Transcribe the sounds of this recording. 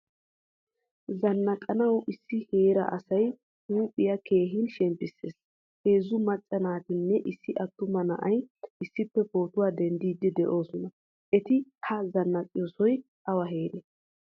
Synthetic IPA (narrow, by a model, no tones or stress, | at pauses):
zɐnːɐkʼɐnɐwʔɪsːɪheːɾɐ̰ʔɐsɐj | huːpʼːɪjɐke̞ːɦɪnʃɛmpːɪsːe̞̰ːs | eːzːʊmɐt͡ʃʼːɐnaːt̪ɪnːɛʔɪsːɪʔɐt̪ːʊmɐnɐ̰ʔɐjɪsːɪpːɛpo̞ːt̪ʊwaːd̪ɛnd̪iːd̪ɪd̪ɛʔo̞ːsɔnɐ | ʔɛt̪ɪhɐzɐnːɐkʼɪjoːsɔj | ʔɐwɐɦe̞ːɾe